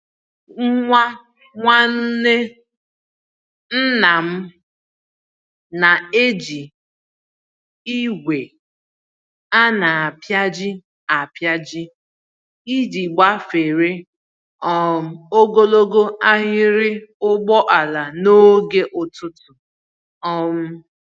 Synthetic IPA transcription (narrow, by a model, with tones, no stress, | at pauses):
ŋ̩˦ŋʷa˦ | ŋʷa˦n̩˦ne˦ | n̩˦na˨m̩˦ | na˨e˦d͡ʒi˨ | i˦wʷe˨ | a˦na˨a˨pja˦d͡ʒɪ˦ | a˨pja˦d͡ʒɪ˦ | i˦di˨ɡ͡ba˦fe˨ɾe˦ | ɔ˦˨m̩˨o˦ɡo˦lo˦ɡo˦a˦ɦɪ˦ɾɪ˦ʊ˦ɡ͡bɔ˦ʔa˨la˨no˦ɡe˦ʔʊ˨tʊ˦tʊ˨ | ɔ˦m̩˦